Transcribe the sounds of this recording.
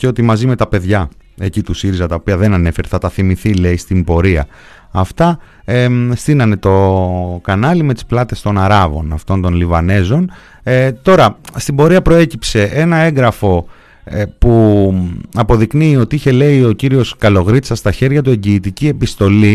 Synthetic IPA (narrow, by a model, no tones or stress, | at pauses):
ceo̞t̪imɐzime̞t̪ɐpe̞ðʝɐe̞cit̪usiɾizɐt̪ɐo̞piɐðe̞nɐne̞fe̞ɾeθɐt̪ɐθimiθile̞ist̪imbo̞ɾiɐ | ɐft̪ɐ | est̪inɐne̞t̪o̞kɐnɐlimet̪i̥splɐt̪e̞st̪o̞nɐɾɐvo̞̰nɐft̪o̞nt̪o̞nlivɐne̞zo̞n | t̪o̞ɾɐst̪imbo̞ɾiɐpɾo̞e̞cipse̞ʔe̞nɐe̞ŋɡɾɐfo̞ | pu | ɐpo̞ðikniːo̞t̪iiçe̞le̞io̞ciɾio̞skɐlo̞ɣɾit̪sɐst̪ɐçe̞ɾʝɐt̪ue̞ɲɟiːt̪icie̞pist̪o̞li